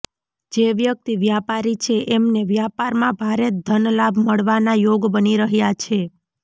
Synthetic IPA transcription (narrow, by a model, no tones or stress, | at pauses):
d͡ʒeʋjək̚t̪iʋjapaɾit͡ʃʰeʔemneʋjapaɾmãbʱaɾed̪ʱənlabməɭʋanajoɡbəniɾəɦjat͡ʃʰe